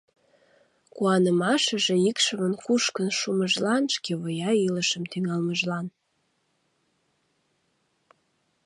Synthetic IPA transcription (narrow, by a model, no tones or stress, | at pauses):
kuɑnəmɑʃəʒĕikʃəmənkuʃkənʃuməʒlɑnʃkeβəjɑiləʃəmt̪yŋɑlməʒlɑn